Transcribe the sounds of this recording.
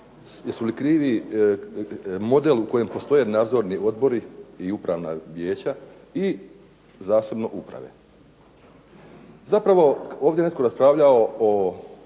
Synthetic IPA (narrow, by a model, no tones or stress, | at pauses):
jesulikɾiːʋi | mo̞d̪e̞luko̞je̞mpo̞st̪o̞je̞naːd̪zo̞ɾnio̞d̪bo̞ɾiiupɾaʋna̰ʋje̞ːt͡ɕa | i | zaːse̞bno̞ʔupɾa̰ʋe̞̰ | zapɾaʋo̞o̞ːvdʲjene̞t̪̚ko̞ɾaspɾaʋʎaoo